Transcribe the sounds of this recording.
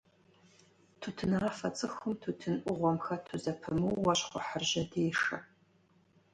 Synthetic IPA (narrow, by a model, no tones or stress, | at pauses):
tʰutʰɨnɐfɐt͡sʼɨxʊmtʰutʰɨnʔʷʊʁʷɔmxɐtʰuzɐpʰɨmɨwːɐɕχʷʊħərʒɐdeːʂɐ̰